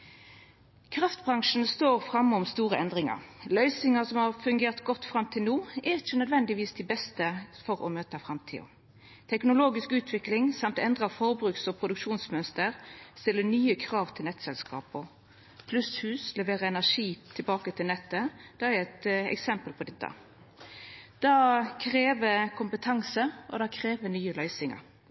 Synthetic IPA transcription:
kʰɾɑft̪bʁɑŋʂn̩st̪oːʁfʁɑmːɔmst̪uːʁəɛnd̪ʁɪŋɑ̰ʁlœʏsɪŋɑsɔmhɑʁfʉŋɡeːʁt̪ɡɔt̪ːfʁɑmt̪ʰɪlnuːɛɾɪçənœd̪ʋɛnd̪ɪʋiːsd̪ɪbɛst̪əfɔɾɔ̰møːt̪əfɾɑmt̪ʰḭːɔ̰ | t̪ʰɛknʊloːɡɪskʉːt̪ʰʋɪklɪŋsɑmt̪ɛnd̪ʁɑfɔʁbʁʉːksɔpʰʁʊd̪ʉkʂuːnsmœnst̪əʁst̪ɪlːənyːəkʰɾɑːʋt̪ʰɪlnɛt̪ːsɛlskʰɑ̰ːpɔ | pʰlʉshʉːslɛʋeːʁəɛnæʂiːt̪ʰɪlbɑːkət̪ʰɪlnɛt̪ːəd̪̥ɛɛɾɛt̪ɛ̰ksɛmpəlpʰɔd̪ɛt̪ːɑ̰ | d̪̥ɑːkʰɾeːʋəkʰʊmpət̪ʰɑŋsəʔɔ̰d̪ɑkʰɾeːʋənyːəlœʏsɪŋɑ̰ɾ

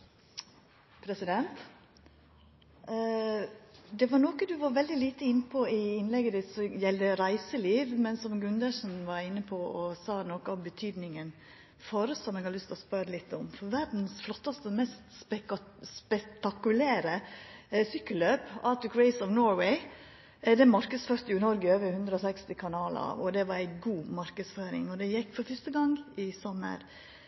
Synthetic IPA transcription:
pʰɾɛsɪd̪ɛnt̪ | d̪ɛʋɑnoːkəd̪ʉʋɑɾʋɛld̪ɪliːt̪əɪnːəpʰɔɪɪnlɛɡəd̪ɪsɔjɛld̪əɾæɪsəliːʋmɛnsɔmɡɾʉnd̪əʂn̩ʋɑɾɪnːəpʰɔʔɔsɑːnɔkəɔmbət̪ʰyːd̪nɪŋən | foːɾəsɔmɛːɡhɑɾʏst̪ɔspœɾəlɪt̪ːɔmfɔɾʋæɾd̪n̩sflɔt̪ːɑst̪əmɛst̪sspɛt̪ɑkʉlæːɾəsʏkːəlːøːpɑːt̪əkɹɛɪsɔʋnɔːɾwɛɪ | d̪ɛmɑɾkəsføːɾt̪əjʊɪnɔɾɡəøːʋəhʉnd̪ɾəɔsɛkst̪ɪkʰɑnɑːlə̰ɑ̰ʋɔd̪ɛʋɑɾæɪɡuːmɑɾkəsføːɾɪ̰ŋɔd̪ɛjɛkːfɔɾfœst̪əɡɑŋɪsɔmːə̰ɾ

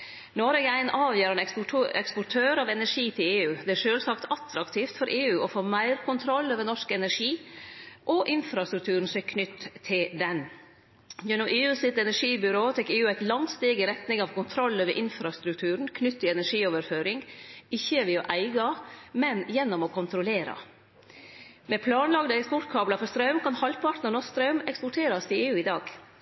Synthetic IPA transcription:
noːɾɛɡæɪnʔɑːʋjøːɾɑnɛɛkspɔʈʰøːɾɑːʋɛnæʂiːt̪ʰɪleːʉːd̪ɛæɾʂøːlsɑkt̪ɑt̪ɾɑkt̪ʰiːft̪fɔɾʔeːʉːʔɔfoːmæɪɾkʰʊnt̪ʰɾɔlːøːʋənɔʂkɛnæɾʂiːʔɔʔɪnfɾɑst̪ɾʉk̚t̪ʰʉːɾən̩sɛkʰnʏt̪ʰːɪld̪ɛn | jɛnːʊmʔeːʉːsɪt̪ɛnæʂiːbʏɾoːt̪ʰɛkeːʉːæɪt̪lɑŋst̪eːɡəɾɛt̪nɪŋɑʋkʰʊnt̪ʰɾɔlːøːʋə̰ɾʔɪnfɾɑst̪ɾʉkt̪ʰʉːɾəɳ̩kʰnʏt̪ːɪɛnæʂiːoːʋəɾføːɾɪŋɪçːəʋɛɔʔæɪɡɑmɛnjɛnːɔmɔkʰʊnt̪ʰɾʊleːɾɑ̰ | mɛpʰlɑːnlɑɡd̪əɛkspɔʈkʰɑːblɑfɔɾst̪ɾɑʉmkʰɑnhɑlpʰɑʈ̪nəɳɔsst̪ɾɑʉmɛkspɔʈʰeːɾɑst̪ʰɪleːʉːɪd̪ɑːɡ

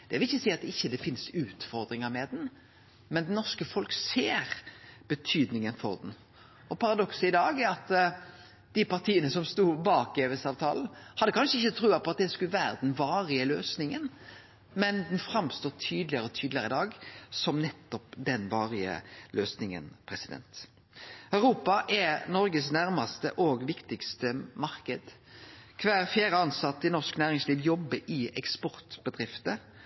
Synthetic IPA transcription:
d̪̥ɛʋɪlɪçːəsiːɑt̪ɪçːəd̪ɛfɪnsʉːt̪fɔɾd̪ɾɪŋəɾmɛd̪n | mɛnd̪ɛnːɔʁskəfɔlkseːɾb̥ət̪ʰyːd̪nɪŋənfɔɾd̪ɛn | ɔpʰɑʁɑd̪ɔksəɪd̪ɑːɡæɑt̪ | d̪̥ɪpɑɾt̪ʰiːənəsɔmst̪uːbɑːk̚eːʋɛsɑːʋt̪ʰɑːln̩hɑd̪ːəkʰɑnʂəɪçːət̪ʰɾʉːɑpʰɔɑt̪̚d̪ɛskʉlʋæːɾəd̪ɛnʋɑːɾɪəløːsnɪŋən | mɛnd̪ɛnfɾɑmst̪oːt̪ʰyːd̪lɪəʁəɔt̪ʰyːd̪lɪəʁəɪd̪ɑːɡsɔmnɛt̪ːɔpd̪ɛnʋɑːʁɪə̰løːsnɪŋə̰npʰɾɛsɪd̪ɛ̰nt̪ | œʉʁuːpɑʔɛnɔɾɡəsnæʁmɑst̪əʔɔɡʋɪkt̪ɪkst̪əmɑʁkəd̪ | kʰʋæːɾfjæːɾəɑnsɑt̪ːɪnɔʁʂknæːʁɪŋsliːʋjɔbːəʔɪɛ̰kspɔʁt̪bəd̪ʁɪft̪ə

